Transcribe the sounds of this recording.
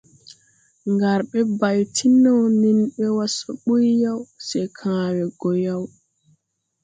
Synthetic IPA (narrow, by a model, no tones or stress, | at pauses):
ŋɡaɾɓɛbajtʰinawninɓɛwasɔɓujjawsɛjkʰaːwɛɡɔjaw